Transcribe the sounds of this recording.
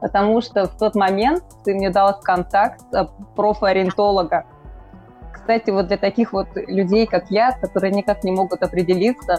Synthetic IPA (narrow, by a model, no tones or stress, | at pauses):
pət̪ɐmuʂt̪oft̪o̞t̪mɐmʲe̞nt̪t̪ɨmnʲed̪alˠsʲkɐnt̪akt̪səpɾofəɐɾʲɪnt̪o̞lˠəɡə | kst̪atʲɪvod̪lʲɐt̪ɐkʲixvo̞t̪lʲʉdʲejkaklʲat̪̚kɐt̪o̞ɾɨjənʲɪkaknʲɪmo̞ɡʊt̪ɐpɾʲɪdʲɪlʲit̪sə